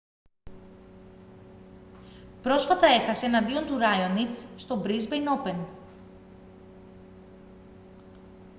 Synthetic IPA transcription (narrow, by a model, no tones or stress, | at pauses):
pɾo̞sfɐt̪ɐe̞xɐse̞ːnɐnd̪io̞nt̪uɾɐjonit͡sːst̪o̞bɾizbejno̞pe̞n